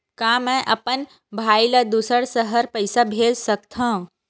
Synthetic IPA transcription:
kãːmɛ̃ʔɐpən | bʱaːiləd̪usəɾsəɦəɾpəɪsabʱeːd͡ʒsəkt̪ʰãː

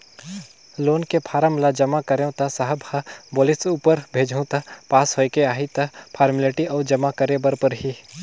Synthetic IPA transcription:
loːnkepʰaːɾəmlad͡ʒɐmakɐɾẽt̪ɐsaɦəbʱɐboːlɪsuːpəɾbʱeːd͡ʒʱũt̪ɐpaːsɦoːekeaːɦit̪ɐpʰaːɾmɪleʈiɔːd͡ʒɐmakɐɾebɐɾpɐɾɦi

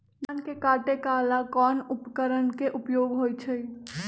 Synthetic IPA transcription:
d̪ankekaʈekalakɔnupəkəɾənkeʔupjoɡɦojt͡ʃʰəj

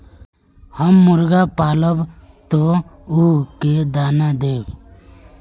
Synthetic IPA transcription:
həmːʊɾɡapaːləb | t̪ouɦked̪aːnad̪eːw

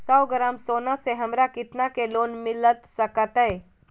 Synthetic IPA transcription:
sɐwɡəɾamsoːnaseɦɐmɾakɪt̪nakeloːnmɪlət̪səkət̪ɛe

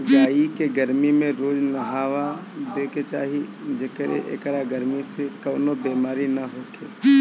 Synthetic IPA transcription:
d͡ʒaːikeɡəɾmimẽɾoːd͡ʒnɐɦaːʋad̪eːket͡ʃaːɦid͡ʒɐkɾḛʔḛkɾaɡəɾmisekɐːnobeːmaːɾinɐɦoːkḛː

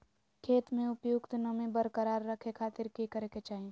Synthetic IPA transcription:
kʰeːt̪mẽʊpjʊkt̪nəmẽbəɾkəɾaːɾːəkʰekʰaːt̪ɪɾkikəɾeket͡ʃaːɦi

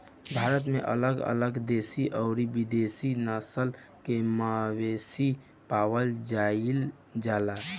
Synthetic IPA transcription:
bʱaɾət̪meʔə̰ləɡə̰ləɡd̪esiʔəʊɾibid̪esinəsəl | kemawesi | pawəld͡ʒail | d͡ʒala

